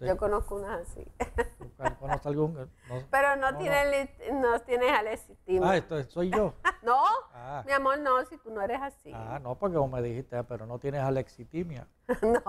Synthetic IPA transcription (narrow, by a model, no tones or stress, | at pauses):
d͡ʒokonoskounasasḭkakonost̪alɡuŋnopeɾonot̪jenelit̪not̪jenesalesit̪imaest̪oesojʝonoamiamoɾnosit̪unoeɾesasḭa̰nopoɾkeomeðihist̪eapeɾonot̪jenesaleksit̪imja̰ | no